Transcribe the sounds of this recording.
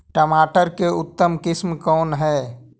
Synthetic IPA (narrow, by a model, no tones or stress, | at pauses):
ʈəmaʈəɾkeut̪ːəmkismkɔːnɦɛ